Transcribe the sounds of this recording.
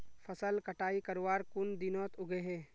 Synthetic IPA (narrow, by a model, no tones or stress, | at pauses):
fʰɐsəlkəʈaːikəɾwaːɾkʊnd̪ɪnɔːt̪ʊɡeɦɛː